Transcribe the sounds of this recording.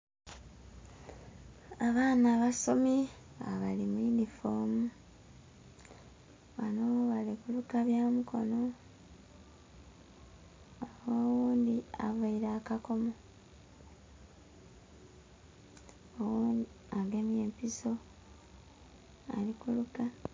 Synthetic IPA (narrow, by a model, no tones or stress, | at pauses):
aβaːnaβaso̞mi | a̰βalimwinifomu | βanoβalikulukaβjaːmuko̞̰no̞ | awoːwuːnd̪iavaiɾaːkako̞mo | owuːndi | aɡe̞mje̞ːmpiso̞ | a̰likuluka